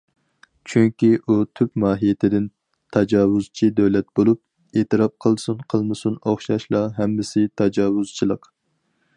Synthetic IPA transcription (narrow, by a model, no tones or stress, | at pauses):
t͡ʃʰyŋkʲiʔut̪ʰypmɑːɦijet̪ʰɪd̪ɪn | t̪ʰɑd͡ʒɑːwuz̥t͡ʃʰid̪ɛwlɛt̪̚bolˠup̚ | eːt̪ɨɾɑp̚qʰəlˠsunqʰəlˠmɨsunoχʃɑʃlˠɑɦɛmːɪsɪt̪ʰɑd͡ʒɑːwuz̥t͡ʃʰilˠəq